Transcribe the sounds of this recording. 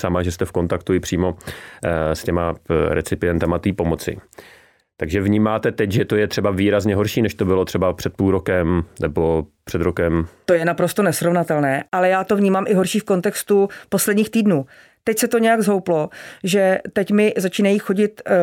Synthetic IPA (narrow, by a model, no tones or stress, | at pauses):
samaʒɛst̪ɛfko̞nt̪akt̪uɪpr̝̥iːmo̞ | scɛmaɾɛ̰t͡sɪpɪjɛnt̪amat̪iːpo̞mo̞t͡sɪ̰ | t̪aɡʒɛvɲiːmaːt̪ɛt̪ɛcʒɛt̪o̞jɛt̪r̝̥ɛbaviːɾazɲɛɦoɾʃiːnɛʃt̪o̞bɪlo̞t̪r̥ɛbapr̝̥ɛt̪̚puːlɾokɛmnɛbopr̝̥ɛd̪ɾokɛmt̪o̞jɛnapɾost̪onɛsɾovnat̪ɛlnɛːʔalɛjaːt̪o̞vɲiːmaːmʔɪɦo̞ɾʃiːfko̞nt̪ɛkst̪upo̞slɛdɲiːxt̪iːdnuː | t̪ɛcsɛt̪o̞ɲɛjaɡzɦo̞wplo̞ʒɛt̪ɛcmɪzat͡ʃiːnajiːxo̞ɟɪt̪